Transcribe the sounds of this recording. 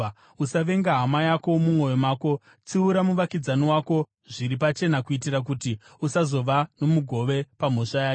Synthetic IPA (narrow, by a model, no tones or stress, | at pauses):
usaʋe̞ŋɡaɦamajako̞mumwo̞jo̞maːko̞ | t͡siuɾamuʋakid͡zaniwaːko̞ | ʐiɾipat͡ʃe̞nakuitirak̬utiusazo̞ʋano̞muɡʱo̞ʋe̞pam̤oʂajaː